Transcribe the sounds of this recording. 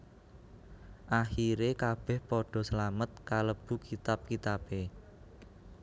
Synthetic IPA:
ʔaxiɾekab̥ɛ̤hpɔɖ̥ɔ̤səlamət̪̚kaləb̥ṳkit̪ap̚kit̪ape

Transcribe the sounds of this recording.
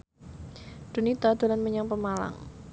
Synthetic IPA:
d̥ṳnit̪ad̪a̤lanməɲaŋpəmala̰ŋ

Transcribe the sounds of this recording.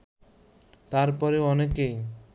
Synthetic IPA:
t̪aɾpɔɾeɔneke

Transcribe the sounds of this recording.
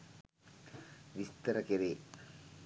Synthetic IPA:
ʋist̪ɐɾɐkeɾeː

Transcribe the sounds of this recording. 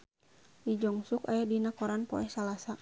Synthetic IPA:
did͡ʒɔŋsukajadinakɔɾanpɔ̰ɛhsalasa

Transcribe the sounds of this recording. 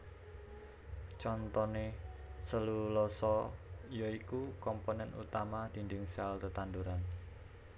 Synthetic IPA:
t͡ʃɔnt̪ɔnesəlulɔsɔjɔikukɔmponɛnṵt̪amad̪̥i̤nd̪ɪŋsalt̪ət̪and̪uɾan

